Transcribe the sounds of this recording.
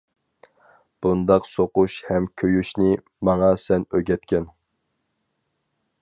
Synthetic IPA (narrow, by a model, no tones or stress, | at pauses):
b̥und̪ɑqsoquʃhɛmkʲʰøjyʃnɪ | mɑŋɑsɛnøɡʲɛt̪kʲʰɛn